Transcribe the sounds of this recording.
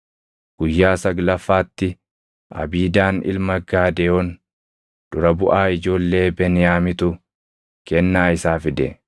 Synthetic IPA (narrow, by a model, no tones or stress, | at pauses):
ɡ̥ʊjːaːsɐɡlɐfːaːt̪ːɪ | ɐ̰biːd̪aːnɪ̰lmɐɡaːd̪ɛhon | d̪̥ʊɾɐbʊʔaːɪd͡ʒo̞ːlːe̞ːbɛnɪjaːmɪt̪ʊ | kɛnːaːɪsaːfɪd̪ɛ̰